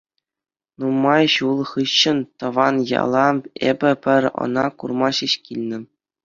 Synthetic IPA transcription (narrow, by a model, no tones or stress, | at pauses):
numːɑjɕulˠχɯɕːɤ̆nt̪ɤ̆ʋɑnjɑ̰lˠɑḛbʲɘ̆pʲɘ̆rʲɤ̰̆nɑkurmɑɕiɕkʲilʲnʲɘ̆